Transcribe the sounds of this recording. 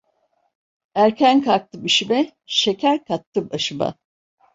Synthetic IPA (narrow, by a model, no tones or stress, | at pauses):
æɾcʰænkʰaɾk̚t̪ʰɯbiʃibɛ | ʃecʰæɾkʰat̪ʰːɯbaʃɯba̰